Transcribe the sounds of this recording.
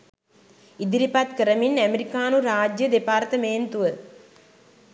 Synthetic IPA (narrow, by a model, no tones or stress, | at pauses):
id̪iɾipat̪kəɾəminæmeɾikaːnuɾaːd͡ʒjəd̪epaːɾt̪əmeːnt̪uʋə